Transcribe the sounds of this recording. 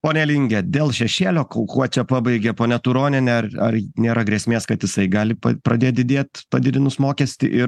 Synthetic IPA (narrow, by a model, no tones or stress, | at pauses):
poːnʲɛlʲiːŋʲɡʲɛd̪ʲeːlˠʃʲɛʃʲeːlʲoːkokuɔt͡ʃʲɛpɑːbɐɪɡʲɛpoːnʲɛt̪uɾoːnʲɪnʲɛɐrɐɾnʲeːɾɐɡɾʲiɛsʲmʲeːskɐt̪jɪsɐɪɡɑːlʲɪpɐ̰pɾɐd̪ʲeːt̪̚ʲd̪ʲɪd̪ʲeːt̪ʲpɐd̪ʲɪd̪ʲɪnʊsmoːkʲɛsʲt̪ʲɪʔɪ